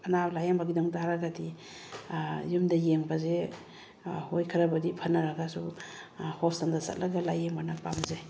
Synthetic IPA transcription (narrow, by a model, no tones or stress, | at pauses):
ɐnawlajambaɡidaŋtaɾaɡadi | jumdajeŋbaze | hojkʰaɾabadipʰanːaɾaɡasu | hɔsaŋdasa̰t̚laɡalajembanapamze